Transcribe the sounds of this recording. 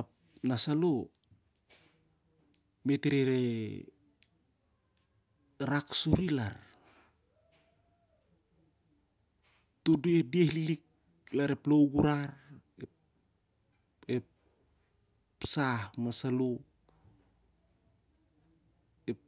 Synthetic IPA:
a | nasalo | me̞teɾeɾe | ɾaksuɾila̰ɾ | todediehlilik̚ | laɾeplowɡuɾaɾe | e | sahmasalo | e

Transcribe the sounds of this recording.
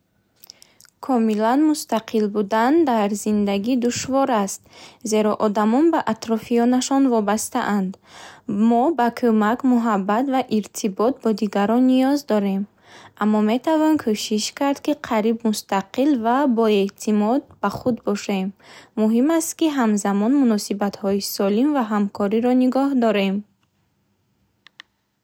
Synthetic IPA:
kʰɔmilanmust̪aqʰilbud̪and̪aɾzind̪aɡid̪uʃvɔɾast̪̚ze̞ɾɔʔɔd̪amɔnbaʔat̪ɾɔfiɔnaʃɔnvɔbast̪a̰ʔand̪mɔbakʰomakmuɦabːat̪vaʔiɾt̪ʰibɔt̪̚bɔd̪iɡaɾɔnːijɔzd̪ɔɾe̞m | amːɔme̞t̪ʰavɔnkʰoʃiʃkaɾd̪kiqʰaɾibmust̪aqilvabɔe̞t̪ʰimɔd̪̚baχud̪bɔʃe̞mːuɦimast̪kiɦamzamɔnmunɔsibat̪hɔisɔlimvaɦamkʰɔɾiɾɔniɡɔɦd̪ɔɾe̞m

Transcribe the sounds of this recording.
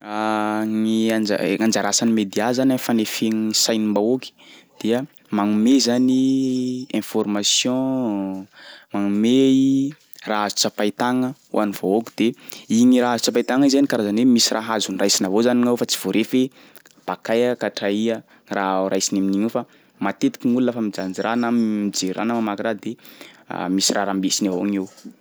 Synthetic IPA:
aŋian̰ŋãnd͡ʒaɾasanimed̪eazanafanefeɲisajnimbaoki̥d̪̥eə | maŋumezani | ɛ̃fɔrmasjɔ̃ | maŋumei | raazu̥t͡sapajt̪aŋəṵʔanivookid̪̥eiɲiɾaazut͡sapajt̪aŋizanikaɾazanwemisirʔaɦazunirajsinavozaniŋawfat͡si̥v̥oɾʔefe | b̥akajakaʈ͡ʂaiə | raɾajsinaminiɲefa | mat̪et̪i̥kʲiŋulunəfamid͡ʒand͡ʒiranammid͡ʒeɾa̰nəmamakiɾad̪ea̰misiraɾambesinaaŋew

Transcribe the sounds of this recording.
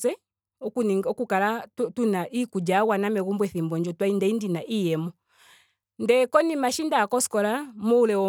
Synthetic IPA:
sɛ | ɔkuniŋɔkukalatunaʔikud͡ʒaɣwanamɛɣumbwɛθimbɔɲd͡ʒɔtwaindɛindinaʔijɛmɔ | ndɛkɔnimaʃindaːkɔskɔlamɔulɛwɔ

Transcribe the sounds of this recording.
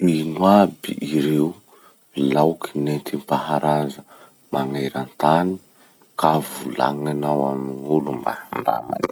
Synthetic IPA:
minwabiiɾew | lawkinent̪ʰimpahaɾazə | maŋajɾant̪ani | kavula̰ŋanawamiŋulumba̰aɳɖ͡ʐa̰ma̰n

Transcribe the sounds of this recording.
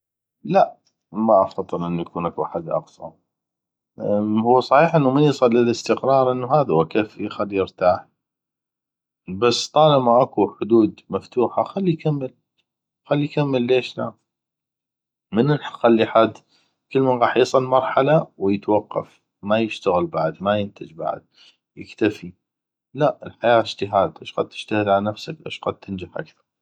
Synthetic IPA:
laʔ | maʔafɑðˤːɨlʔɪnːujakuːnʔakuʔaħad̪ʔɑ̰qsˤɑ̰ | hʊwːsˤɑħiːħʔənːumanjsˤɑlːɪlɪst̪ɪqɾˤɑːɾˤʔɪnːuɦaːðahʊwakeːfixalːijɪɾt̪aːħ | basːt̪ˤɑːlɪmaʔakuħʊd̪uːd̪maft̪uːħaxalːijkamːɪl | xalːikamːɪlːeːʃla | mənɪlxalːiħad̪ | kəlːmanɣɑːħjɪsˤɨlmɑɾˤħalawjɪt̪wɑqːɑ̰f | majɪʃt̪aɣɪlbaʕd̪majɪnt̪ɪd͡ʒba̰ʕ̰d̪̚ | jɪ̰kt̪afi | laʔɪlħajaːɪʃt̪ɪɦaːd̪ʔɪʃqad̪̚t̪ɪ̥ʃt̪ahɪd̪ʕalanafsakʔɪ̰ʃqad̪̚t̪ʰɪnd͡ʒaħʔa̰kθɑ̥ɾˤ

